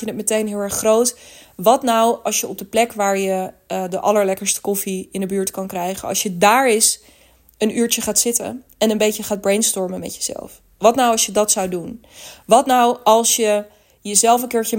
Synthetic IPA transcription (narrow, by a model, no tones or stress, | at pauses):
jənətmətejnɦɪːlˠɛɹχːrowtʋɑtnawɑlˠsjəɔb̚dəplɛkʋaːɹjədəʔɑləɹlɛkəɹstə̥kɔfiɪndəbyːɹtkɑnkrɛjχə̰nɑ̰lˠsjədaːɹɪs | ənyːɹt͡ʃəχaːtsɪtə̰nɛnənbejcəχaːd̚brejnstɔɹməmɛ̰tjəz̥ɛ̰lˠf | ʋɑtnawɑlsʃjədɑtsawdunʋɑtnawɑlˠsjə | jəzɛlˠfənkɪːɹt͡ʃə